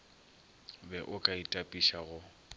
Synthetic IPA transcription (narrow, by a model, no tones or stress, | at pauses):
bɛʔʊkʼaitʼapʼiʃaɣʊ